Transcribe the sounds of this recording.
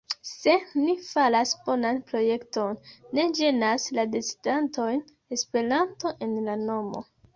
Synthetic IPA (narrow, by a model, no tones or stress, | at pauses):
se̞nifalasb̥o̞nanpɾo̞je̞kto̞nːe̞d͡ʒe̞naslade̞t͡si̥danto̞jn | e̞spe̞ɾanto̞ʔe̞nlano̞mo̞̰